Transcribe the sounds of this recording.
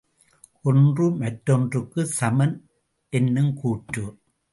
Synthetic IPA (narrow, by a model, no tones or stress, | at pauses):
ʔɔndrɯmɐtːɔndrɯkːɯsɐmɐn | ʔɛnːɯmkuːʈːu